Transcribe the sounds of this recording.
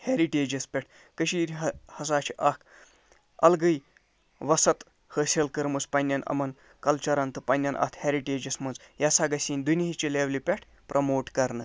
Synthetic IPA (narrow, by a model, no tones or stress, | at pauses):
heɾiʈeːd͡ʒɐspʲeʈʰ | kəʃiːɾʲɦhɐs̬aːt͡ʃʰiʔɐːk | ɐ̰lɡɨj | ʋɐsɐt̪ | həsʲelkəɾmuspɐnʲːɐnʔɐ̰mɐn | kɐlt͡ʃɐɾɐnt̪ɨpɐnʲːɐnʔɐ̰t̪ʰheɾiʈeːd͡ʒɐsmɐnzjɐsaːɡɐsʲiːnʲd̪unʲiɦit͡ʃilʲeːʋlipʲeʈʰ | pɾʔɐmoːʈkɐɾnɨ